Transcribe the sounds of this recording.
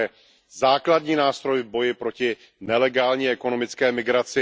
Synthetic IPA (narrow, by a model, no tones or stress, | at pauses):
ɛ | zaːkladɲiːnaːst̪ɾo̞jɪvbo̞jɪpɾo̞cɪ | nɛlɛɡaːlɲiːʔɛko̞no̞mɪt͡skɛːmɪɡɾat͡sɪ